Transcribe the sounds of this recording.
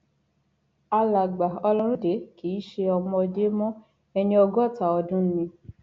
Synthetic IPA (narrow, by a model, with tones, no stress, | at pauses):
a˧la˨ɡ͡ba˨ɔ˧lɔ̃˦ɾũ˦de˨˦ki˨˦ʃe˧ɔ˧mɔ̃˧de˦mɔ̃˦ | ɛ˧nĩ˧ɔ˧ɡɔ˦˨ta˨ɔ˧dũ˦n̩˦nĩ˧